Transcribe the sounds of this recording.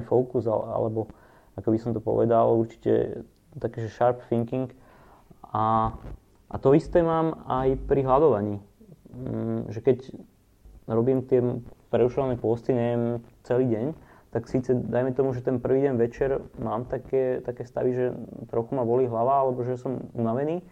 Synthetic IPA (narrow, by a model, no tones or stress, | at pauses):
fɔʊkuza̰a̰lɛbɔ | akɔbisɔmt̪ɔpɔ̰ʋɛ̰d̪aluɾt͡ʃi̥cɛ̰ | t̪akɛːʒɛʃaɾpfiŋkiŋk | a | ʔa̰t̪ɔist̪ɛːmaːmajpɾiɦlad̪ɔʋaɲiː | ʒɛkɛc | ɾɔbiːmt̪ɪɛpɾɛuʃɔʋanɛpʊɔst̪iɲɛʋɛmt͡sɛliːɟɛɲt̪aksiːt͡sɛd̪ajmɛt̪ɔmuʒɛt̪ɛnpr̩ʋiːɟɛɲʋɛt͡ʃɛɾmaːmt̪akɛːt̪akɛːst̪a̰ʋiʒɛt̪ɾɔxumaʋɔliːɦlaʋaalɛbɔʒɛsɔmunaʋɛniː